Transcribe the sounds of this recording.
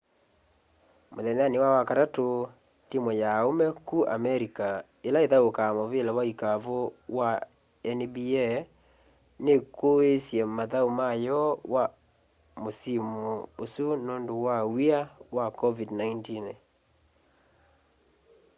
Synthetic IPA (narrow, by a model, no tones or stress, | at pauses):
moðɛnanewawakaɾato | timwɔjaomɛkua̰mɛɾika | elaeðaokamovelawaikavowa | ɛnbiɛ | nekoesjɛmaðaumajɔwa | mosimuosunoːndowawiawakɔvidnaintin